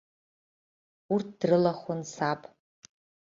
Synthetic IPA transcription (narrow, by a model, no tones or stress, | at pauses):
urt̚ʰd̥rɨlaχʷʊnsapʼ